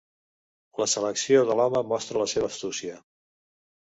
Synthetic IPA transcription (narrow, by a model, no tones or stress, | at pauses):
ləsələksioðəlɔməmɔst̪ɾələseβ̞əːst̪usiə